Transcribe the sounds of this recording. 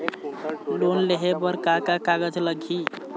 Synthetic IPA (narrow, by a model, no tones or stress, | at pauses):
lonleɦebəɾkakakaɡəd͡ʒləɡʱi